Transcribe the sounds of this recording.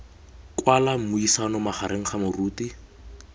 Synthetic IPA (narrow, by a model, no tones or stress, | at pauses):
kwalamʊisanɔmaχaɾʔeŋ̩χamʊruːti